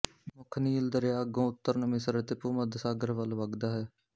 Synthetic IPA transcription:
mʊkʰniːɪld̪əɾejaːɡõːʊt̪ːəɾnəmisəɾət̪epuːməd̪saːɡəɾʋəlʋəɡd̪aːɦɛː

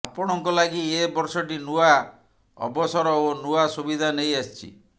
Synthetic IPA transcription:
apɔɽ̃ɔŋkɔlaɡiebɔɾsɔʈinua | ɔ̰bɔsɔɾɔonuasubid̪ʱanejast͡ʃʰḭ

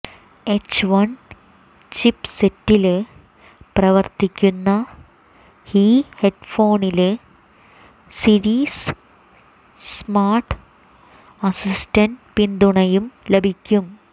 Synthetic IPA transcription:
et͡ɕʋɐn | t͡ɕipsetːil | prɐʋɐrt̪ikʲːunːɐ | hiːheɖfo̞ːnil | siɾiːs | smaːrʈ | ɐsistɐnɖpind̪uɳɐjumlebʱikʲːum

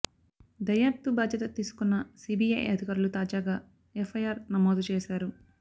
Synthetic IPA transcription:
d̪ɐjɐt̪ːubaːd͡ʒjɐt̪ɐt̪iːsu̥kunːɐsiːbiːjɐ̰jʔɐ̰d̪ʱikɐɾulut̪aːd͡ʒaːɡaː | efʰɐjaːɾnɐmoːd̪ut͡ʃeːʃaːɾu

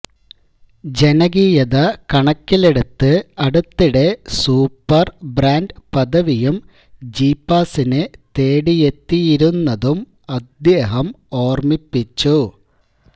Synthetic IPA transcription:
d͡ʑe̞nɐɣiːjɐðɐkɐɳɐkːile̞ɽut̪ːɨɐɽut̪ːiɽe̞suːpːɐrbraːndpɐðɐʋijum | d͡ʑiːpːaːsinɨt̪e̞ːɽije̞t̪ːijiɾunːɐðum | ɐd̪jeːɦɐm | o̞ːrmipːit͡ɕːu

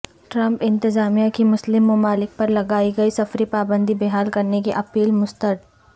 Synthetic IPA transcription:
ʈɾɐ̃mpɪ̃nt̪ɪzaːmijakimʊslɪmːʊmaːlɪk̚pɐɾlɐɡaːiɡɐisɐfɾipaːbə̃nd̪ibeɦaːlkɐɾnekeʔɐpiːlmʊst̪əɾd̪

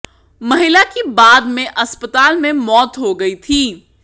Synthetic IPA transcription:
mɐɦɪlakibaːd̪mẽʔɐspət̪aːlmẽmɔːt̪ɦoɡɐit̪ʰiː

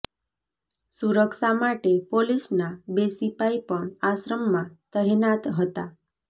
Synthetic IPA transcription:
suɾəkʃamaʈepolisnabesipaipəɳasɾəmːãt̪əɦenat̪ɦət̪a

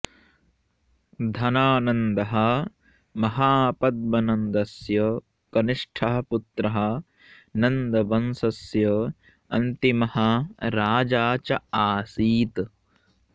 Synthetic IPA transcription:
d̪ʱɐnaːnɐnd̪ɐɦɐ | mɐɦaːpɐd̪̚mɐnɐnd̪ɐsjɐ | kɐniʂʈʰɐɦɐput̪ɾɐɦɐ̆ | nɐnd̪ɐʋɐnsɐsjɐ | ɐnt̪imɐhɐɾaːd͡ʒaːt͡ʃɐaːsiːt̪

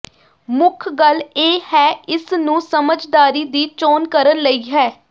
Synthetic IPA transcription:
mʊkʰɡəleːhɛːɪsnũːsəməd͡ʒd̪aːɾiːd̪iːt͡ʃoːnkəɾənləiːɦɛː

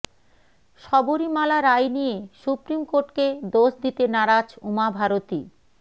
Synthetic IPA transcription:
ʃɔboɾimalaɾajnijeʃupɾimkoɾʈked̪oʃd̪it̪enaɾad͡ʑumabʱaɾot̪ḭ

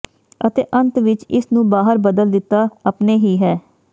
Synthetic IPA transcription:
ət̪eːʔənt̪ʋɪt͡ʃɪsnũːbaːɦəɾbəd̪əld̪ɪt̪ːaːəpneːɦiːɦɛː

